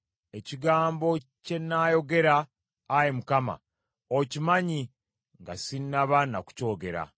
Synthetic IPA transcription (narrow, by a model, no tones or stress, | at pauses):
e̞ciɡaːmbo̞ce̞nːaːjo̞ɡe̞ɾaː | jemukama̰ | ocimaɲi | ŋɡasinːaβanaku̥co̞ːɡe̞ɾa̰